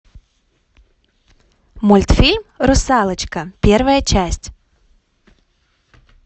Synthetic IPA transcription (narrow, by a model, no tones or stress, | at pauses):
mʊlʲt̪fʲilʲmɾʊsɑlˠɨt͡ɕkɐpʲɛrvɐjɐt͡ʃæsʲtʲ